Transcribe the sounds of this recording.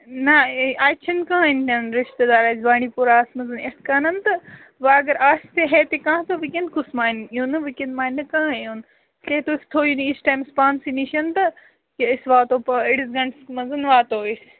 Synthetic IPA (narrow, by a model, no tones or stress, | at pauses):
nɐaːt͡ʃʰɐnkɐ̃ãinɐnɾɪʃt̪ed̪aːɾaːsbaːɽ̃ipuɾaːsmɐzɐneskɐːnɐnt̪ɐ | ʋaɐɡɐɾʔaːst̪eɦet̪ekãːt̪ɐʋikẽnd̪̚kʊsmaːiniõnɨʋikẽnd̪maːinːɐkãɦãjuːn | keːt̪oːɪst̪ʰoːunisʈaːjmspaːnsiniʃɐnt̪ɐ | keɪsʋaːt̪oːpɐɪɽisɡɐɳɖsmɐzɐnʋaːt̪oːɪs